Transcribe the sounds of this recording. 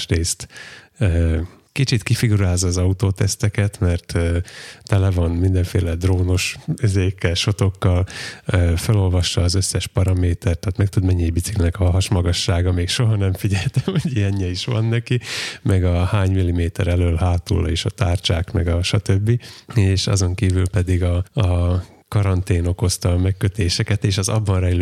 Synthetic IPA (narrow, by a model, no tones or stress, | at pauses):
ʃreːst̪ː | kit͡ʃit̪kifiɡuɾaːzːɒːzɒut̪oːt̪ɛst̪ɛkɛt̪mɛrt̪ːt̪ɛlɛvɒnmind̪ɛɱfḛːlɛd̪roːno̞ʃøzeːkːɛlʃo̞t̪o̞kːɒløfølo̞lvɒʃːɒːzøsːɛʃpɒɾɒmeːt̪ɛrt̪ːaːt̪mɛk̚t̪ud̪mɛɲːeːjbisiknɛkɒɦɒɦɒʃmɒɡɒʃːaːɡɒmeːkʃo̞ɦɒnɛɱfiɟɛlt̪ɛmɒɟijɛɲːɛiʃʋɒ̰nːɛkimɛɡɒhaːɲmilːimeːt̪ɛɾɛløːlɦaːt̪ṵlːɒ̰eːʃɒt̪aːrt͡ʃaːkmɛɡɒʃɒt̪øbːieːʃɒ̰zo̞ŋkiːvylpɛd̪iɡɒ | kɒɾɒnt̪eːno̞ko̞st̪ɒmɛkːøt̪eːʃɛkɛt̪eːʃɒzɒ̰bːɒnrɛjlø